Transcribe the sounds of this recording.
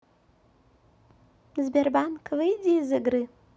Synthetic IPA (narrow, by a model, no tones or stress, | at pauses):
zbʲerbankʰʼlɨjdizɨɡrɨ